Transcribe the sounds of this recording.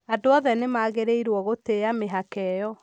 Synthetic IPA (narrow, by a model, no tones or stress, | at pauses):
adoɔðɛnemaːɣeɾeiɾwɔɣoteameɦakɛjɔ